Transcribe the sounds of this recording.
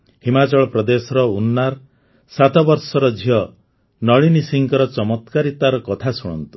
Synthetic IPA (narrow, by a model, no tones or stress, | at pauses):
himat͡ʃɔɭɔpɾɔd̪esɔɾɔunːaɾ | sat̪ɔbɔɾsɔɾɔd͡ʒʱiɦɔ | nɔɭinisiŋkɔɾɔt͡ʃɔmɔt̪kaɾit̪aɾɔkɔt̪ʰasuɽ̃ɔ̰nt̪u̥